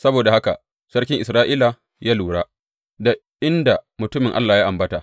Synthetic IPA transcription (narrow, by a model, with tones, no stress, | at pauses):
sɐ˦boː˨da˨ha˦ka̰˨ | sɐ˦rkʲɪ˦ŋʔɪ˨sɾaː˦ʔiː˦la˨ | jaː˦luː˨ɽaː˦ | da˨ | ʔɪ˦nda˨mʊ˨tʊ˦mɪ˨ŋʔa̰˦lːaː˨ja˦ʔa˨mbɐ˦ta˨